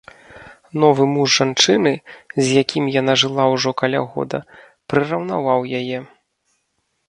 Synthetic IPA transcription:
nɔvɨmuʐʐant͡ʂɨnɨzʲjakʲimjan̪aʐɨlˠawʐɔkalʲa̰ɣɔ̰d̪ɐ̰ | pɾɨrɐwnavawjajɛ

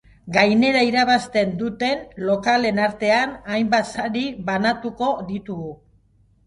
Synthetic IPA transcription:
ɡajne̞ɾaiɾaβ̞ast̪e̞nd̪ut̪e̞nlo̞kale̞naɾt̪e̞anajmbat̪saɾiβanat̪uko̞ðit̪uɣu

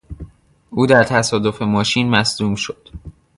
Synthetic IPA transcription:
ʔuːd̪æɾt̪ʰæsɒːd̪o̞fe̞mɒːʃiːnmæsd̪uːmʃod̪̥

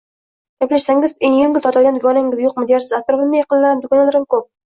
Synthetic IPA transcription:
ɡ̥ʲaplaʃsaŋʲɪzeŋjɪŋɡʲɪlt̪ʰɾt̪ʰalɡʲand̪ʊɡʰɒnaŋɪzjoq̚mɪd̪jɒɾsɪzat̪̚kʊɾfɪlˠmajɑqɨnlaɾamd̪ʊkʰɒnalaɾɪmkʰop̚

